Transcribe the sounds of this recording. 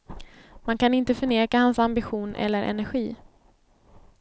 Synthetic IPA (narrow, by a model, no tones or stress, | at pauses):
mankanɪnt̪əfœɳeːkahansambɪɧuːnʔɛ̰lːəɾʔɛ̰næɾɧiː